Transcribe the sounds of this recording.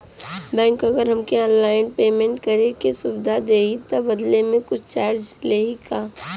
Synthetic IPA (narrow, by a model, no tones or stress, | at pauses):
bɛ̃ːŋkɐɡəɾɦɐmkeaːnlaːɪnpeːmẽːɳʈkɐɾekesʊbd̪ʱad̪eːit̪obɐd̪lemẽkʊt͡ʃʰt͡ʃaːɾd͡ʒleːikaː